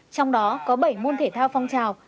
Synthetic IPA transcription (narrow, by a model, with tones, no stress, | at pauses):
t͡ɕɔ˧wŋ͡mɗɔ˨˦kɔ˨˦ɓə˧˩jmo˧nt̪ʰe˧˩t̪ʰaː˧wfa˧wŋ͡mt͡ɕaː˨˩w